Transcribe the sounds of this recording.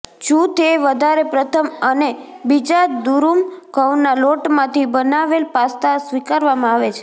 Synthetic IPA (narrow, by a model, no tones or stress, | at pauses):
t͡ʃũt̪ʰeʋəd̪ʱaɾepɾət̪ʰəməne | bid͡ʒad̪uɾumkəwnːaloʈmãt̪ʰibənaʋelpast̪asʋikaɾʋamãaʋet͡ʃʰe̥